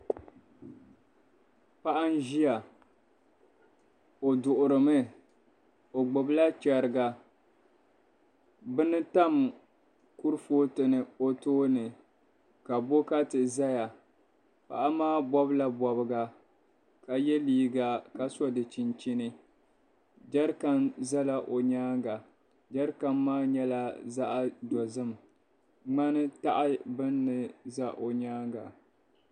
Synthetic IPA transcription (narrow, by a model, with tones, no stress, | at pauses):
pa˦ʔa˦n˦ʒi˦a˨ | o˨dʊ˨ʔʊ˨ɾɨ˨mɨ˦ | o˨ɡ͡bʊ˨bla˦t͡ʃɛ˨ɾɨ˨ɡa˨ | bɨ˦nɨ˦ta˦m | ku˦ɾɨ˦foː˦tɨ˨nɨ˨o˦toː˦nɨ˨ | ka˨bo˦ka˦tɨ˨za˦ja˨ | pa̰˨ʔa˦maː˦bɔ˦bla˦bɔ˨bɨ˦ɡa˨ | ka˨jɛ˦liː˦ɡa˨ka˨sɔ˦dɨ˨t͡ʃi˨nt͡ʃi˦nɨ˦ | d͡ʒa˦ɾka˦˨nza˦la˨ʔo˨ɲaː˦ŋɡa˨ | d͡ʒa˦ɾka˦mːaː˦ɲɛ˦la˨za˦ʔa˦dɔ˨zɨ˦m | ŋ͡ma˦nɨ˦ta˦ʔa˦bɨ˦nːɨ˨za˦ʔo˨ɲaː˦ŋɡa˨